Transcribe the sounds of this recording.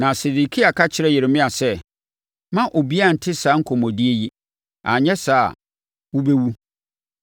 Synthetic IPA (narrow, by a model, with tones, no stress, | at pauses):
nã˨se˨di˨kʰi˦a˨kʰa˦t͡ɕʰɪ˦ɾɛ˦jɪ˨ɾɪ˨mɪ̃˦a˨sɛ˦ | mã˦ʔo˨bi˦a˦˨n̩˨tʰɪ˦sa˨˦ŋ̩˦kʰɔ˨mɔ̃˨di˦e˦ji˦ | a̰˨ɲɛ̃˦sa̰ː˦˨ | wu˦be˦wu˦